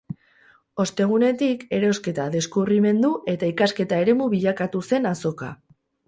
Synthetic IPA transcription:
o̞st̪e̞ɣ̞une̞t̪ike̞ɾo̞ske̞t̪aðe̞skuβrime̞nd̪uʔe̞t̪aikaske̞t̪ae̞ɾe̞muβiʎakat̪use̞naso̞ka̰

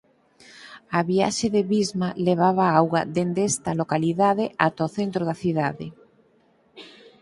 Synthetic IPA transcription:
aβia̰ʃeðeβizmaleβ̞aβ̞aawɣɐ̰d̪end̪est̪ɐlokaliðaðɪʔat̪oθent̪ɾoðaθiðaðe

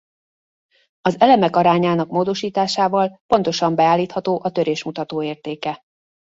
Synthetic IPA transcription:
ɒzɛlɛmɛkɒɾaːɲaːnɒkmoːd̪o̞ʃiːt̪aːʃaːvɒlpo̞nt̪o̞ʃɒmbɛaːlːiːt̪hɒt̪oːʔɒt̪øɾeːʃmut̪ɒt̪oːeːrt̪eːkɛ

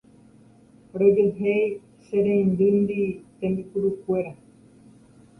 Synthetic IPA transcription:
ɾod͡ʒeɦej | ʃeɾẽĩnd̪ɨnd̪it̪ẽmbikuɾukʷe̞ɾa

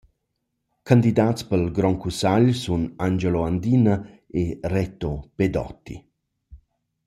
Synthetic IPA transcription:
kand̪id̪aːtt͡spəlɡɾɔŋkusaʎsunand͡ʒeloand̪inə | erɛt̪oped̪ɔ̰t̪ːḭ

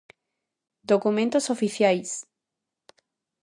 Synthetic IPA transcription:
d̪okumẽnt̪osofiθjajs

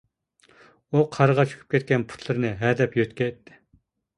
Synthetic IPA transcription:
uqʰɑɾəʁɑt͡ʃʰy̥kʲʰy̥p̚kʲɛt̪̚kʲɛnpʰu̥t̪ʰlˠɨɾɨnɨɦɛd̪ɛpjøt̪kʲɛt̪ːɪ̥

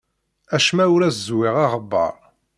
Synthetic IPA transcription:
æʃmæʊɾæszwiʁɑʁəbːə̰ɾˤ

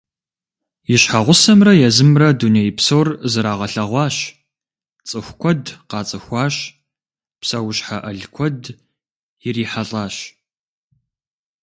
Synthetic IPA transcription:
jɪɕħaʁʷʊsɐmrɐjɛzɨmrɐdunejpsowrzɨɾaːʁɐɬɐʁʷɑːɕ | t͡sʼɨxʷkʷʰɔdqɑːt͡sʼɨxʷɑːɕ | psɐwʊɕħaʔɐɮkʷʰɔd | jɪriːħaɬʼaːɕ

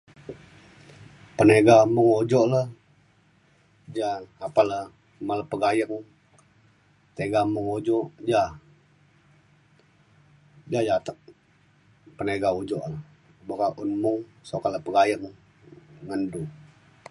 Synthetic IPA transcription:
pəneɡamuŋod͡ʒɔʔləh | d͡ʒaːpalə | maləpəɡajəŋ | t̪eɡamʊŋod͡ʒɔʔd͡ʒa | d͡ʒad͡ʒat̪əʔ̚ | pəneɡaud͡ʒɔʔlə | bəkaʔunmʊŋsokaləpəɡajəŋː | əndu

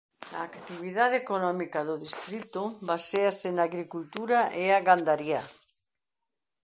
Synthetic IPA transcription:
a̰ːkt̪iβ̞iðaðekonɔmikaðoðist̪ɾit̪obaseasenaɣɾikult̪uɾaʔeaɣand̪aɾja

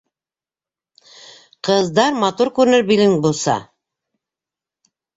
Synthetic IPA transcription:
qɤ̆zd̪ɑɾmɑt̪uɾkʉɾɘ̆nɘɾbilɘŋbulˠsɑ̰

